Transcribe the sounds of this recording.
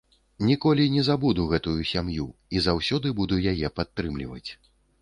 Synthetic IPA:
nʲikɔlʲinʲɛzabud̪uɣɛt̪ujusʲamjuizawsʲɔd̪ɨbud̪ujajɛpat̪ːɾɨmlʲivɐ̰t͡sʲ

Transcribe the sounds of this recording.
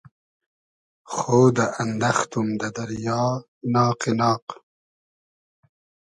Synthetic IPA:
xoːd̪aʔand̪ɐxt̪umd̪ɐd̪ɐɾjɑː | nɑːqenɑːq

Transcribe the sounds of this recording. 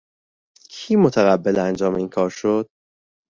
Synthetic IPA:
kʰiːmot̪ʰæɣæbːe̞lænd͡ʒɒːmeiːnkʰɒːɾʃod̪̥

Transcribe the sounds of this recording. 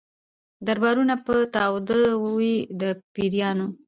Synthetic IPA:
d̪aɾbɑɾunapət̪ɑwd̪əwwid̪əpiɾjɑno

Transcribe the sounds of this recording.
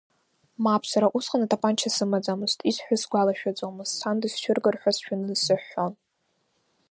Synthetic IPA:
mapʰsaɾaʔusqʼanatʰʼapʼant͡ʃʰasɨmad͡zʼamɨztʰʼisħʷᶣasɡʷalaʃᶣad͡zʷʼomɨzsʰandisʃʰʷᶣɪrɡɨrħʷᶣasʃᶣanɨzsɨħːo̞n

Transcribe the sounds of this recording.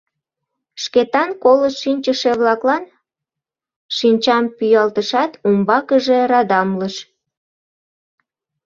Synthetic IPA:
ʃket̪ɑnkoləʃʃinʲt͡ɕəʃeβlɑklɑn | ʃinʲt͡ɕɑmpyjɑlt̪əʃɑt̪umbɑkəʒeɾɑd̪ɑmləʃ

